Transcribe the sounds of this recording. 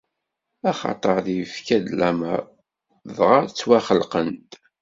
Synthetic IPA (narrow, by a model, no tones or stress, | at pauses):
æχɑ̰t̪ˤəɾðifkæd̪læməɾ | ðʁɑt͡sːwæχəlqənt̪